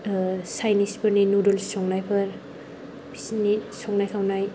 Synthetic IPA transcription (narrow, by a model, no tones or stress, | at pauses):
sajnispʰɯɾninudɔlsɔŋnajpʰɯɾ | bʰisnisɔŋnajkʰawnaj